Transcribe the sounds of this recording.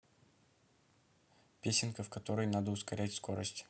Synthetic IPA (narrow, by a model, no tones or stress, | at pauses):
pʲesʲɪnkəfkɐt̪o̞ɾəjnad̪əʊskɐɾʲætʲsko̞ɾəsʲtʲ